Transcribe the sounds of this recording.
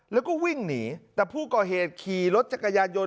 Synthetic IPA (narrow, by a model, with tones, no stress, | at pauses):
lɛː˦˥wkɔː˥˩wi˥˩ŋniː˩˦t̪ɛː˨˩pʰuː˥˩kɔː˨˩ɦeː˨˩t̪̚kʰiː˨˩ɾo˦˥t̪̚t͡ɕa˨˩kːa˧jaː˧njo˧